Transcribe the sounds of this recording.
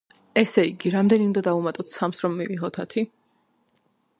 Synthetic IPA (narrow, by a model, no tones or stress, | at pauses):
ɛsɛiɡiɾamd̪ɛniũnd̪ad̪aumat̪ʼɔt̪ʰsamsɾɔmːiviʁɔt̪ʰat̪ʰi